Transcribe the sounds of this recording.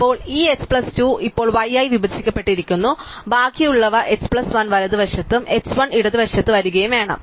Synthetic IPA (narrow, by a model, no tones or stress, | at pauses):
pːo̞ːɭiːekspɭɐstuːʔipːo̞ːɭʋɐjːaːjʋibɐd̪ʱːikʲːɐpːe̞ʈːiɾikʲːunːubʱaːkːijuɭːɐʋɐʔekspɭɐsʋɐnʋɐɾɐðɨʋɐʂjɐt̪ːume̞ksʋɐniɽɐðɨʋɐʂjɐt̪ːɨʋɐɾuɣɐjumʋe̞ːɳɐ̰m